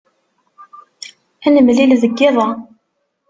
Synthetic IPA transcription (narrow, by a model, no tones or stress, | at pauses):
ænəmlilðəɡːɪðˤɑ